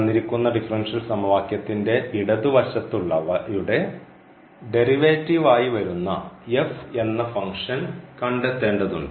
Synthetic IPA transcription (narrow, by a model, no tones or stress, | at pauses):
nːiɾikʲːunːɐɖifrɐnʂɐlsɐmɐʋaːkjɐt̪ːinde̞ʋiɽɐðuʋɐɕɐt̪ːuɭːɐʋɐjuɽe̞ | ɖe̞riʋeːtːiʋaːjiʋɐɾunːɐ̰efe̞nːɐfɐŋkʂɐnkɐɳɖet̪ːeːɳɖɐðuɳɖɨ